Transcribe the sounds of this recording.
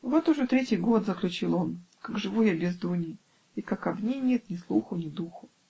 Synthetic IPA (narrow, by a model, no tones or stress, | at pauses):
vo̞t̪ʊʐɛt̪ɾʲetʲɪjɡo̞t̪zəklʲʉt͡ɕilˠo̞nkaɡʐɨvujabʲɪzd̪unʲɪ | ikakɐbnʲenʲet̪nʲɪslˠuxʊnʲɪd̪uxʊ